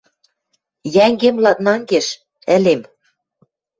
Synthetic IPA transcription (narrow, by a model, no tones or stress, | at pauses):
jæŋɡemlɑt̪̚nɑŋɡeʃ | ɘ̆lem